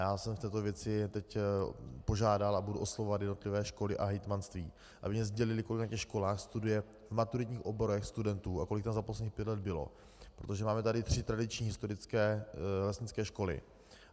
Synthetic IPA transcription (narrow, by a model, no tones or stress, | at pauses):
jaːsɛmft̪ɛːt̪ovjɛt͡sɪt̪ɛc | po̞ʒaːdalabuduʔo̞slovovat̪jɛdno̞t̪lɪvɛːʃko̞lɪʔaɦɛjt̪manst̪viː | ʔa̰bɪmɲɛzɟɛlɪlɪko̞lɪknacɛxʃko̞laːxst̪udujɛ | vmat̪uɾɪt̪ɲiːxʔo̞bo̞ɾɛxst̪udɛnt̪uːako̞lɪk̚t̪amzaposlɛdɲːxpjɛt̪lɛd̪̚bɪlo̰ | pɾot̪o̞ʒɛmaːmɛt̪adɪt̪r̝̥ɪt̪ɾadɪt͡ʃɲiːɦɪst̪oɾɪt͡skɛːlɛsɲɪt͡skɛːʃko̞lɪ̰